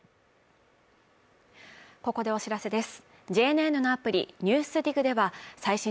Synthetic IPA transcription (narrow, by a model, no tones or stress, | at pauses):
ko̞ko̞d̪e̞o̞ɕiɾase̞d̪e̞sɨ̥ | d͡ʑe̞ːne̞ːnonapɯ̟ɾʲḭɲ̟ɨːsɨɾʲiɡɯ̟d̪e̞βasaiɕĩ